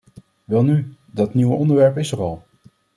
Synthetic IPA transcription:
ʋɛlˠny | dɑtniwəɔndəɹʋɛɹpɪsərɑlˠ

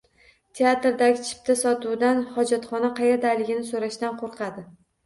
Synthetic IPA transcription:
t̪ʰe̞at̪ɾd̪aɡʲɪt͡ʃʰɪ̥p̚t̪ʰasɒt̪ud̪anhɒd͡ʒat̪χɒnaqʰɑjeɾd̪ajlɪɡʲɪnɪsoɾaʃt̪anqʰoɾqʰɑd̪ɪ

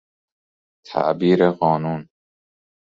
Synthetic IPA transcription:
t̪ʰæ̰ʔbiːɾeɢɒːnuːn

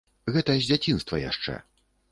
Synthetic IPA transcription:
ɣɛt̪ɐjzʲd͡zʲat͡sʲinst̪vɐja̰ʂt͡ʂɛ̰

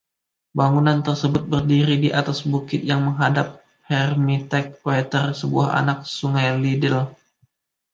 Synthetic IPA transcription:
baŋunant̪ərsəbʊt̪̚bərdiɾidiʔat̪asbukɪt̪̚jaŋməŋɦadap̚ | hɛrmit̪ɛk̚ːoet̪ərsəbuaɦa̰nak̚suŋajlidɪl

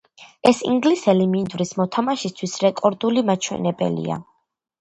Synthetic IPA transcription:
ɛsḭŋɡlisɛlimind̪vɾismɔt̪ʰamaʃist̪ʰwisɾɛkʼɔɾd̪ulimat͡ʃʰwɛ̰nɛbɛ̰lḭa̰

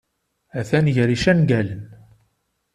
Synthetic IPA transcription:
æθænʝɾiʃænɡælən

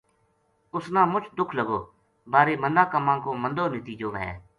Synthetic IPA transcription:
ʊsnãːmʊt͡ʃʰd̪ʊkʰləɡoː | baːɾeːmənd̪aːkəmãːkoːmə̃nd̪oːnɪt̪iːd͡ʒoːʋɛ̰̃ː

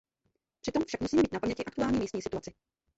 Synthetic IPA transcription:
pr̥ɪt̪o̞mfʃakmusiːmɛiːt̪napamɲɛcɪʔakt̪uaːlɲiːmiːst̪ɲiːsɪt̪uat͡sɪ

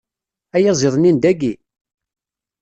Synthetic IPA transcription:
æjæzˤeðˤnind̪æɡi

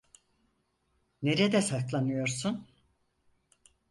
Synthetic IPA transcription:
ne̞ɾed̪ɛsaklˠanɯjo̞ɾsun

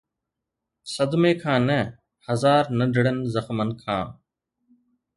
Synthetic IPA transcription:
səd̪mẽːkʰãːnɛː | həzaːɾnəɖʱɪɽənzəxmənkʰã̰ː

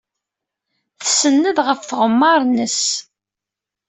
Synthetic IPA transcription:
θə̥sənːəðʁəfθəʁəmːɑɾˤnəs

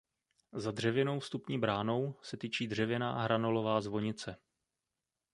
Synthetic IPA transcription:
zadr̝ɛvɪno̞wfst̪upɲiːbɾaːno̞wsɛt̪iːt͡ʃiːdr̝ɛvɪna̰ːɦɾanolo̞vaːzvo̞ɲɪt͡sɛ

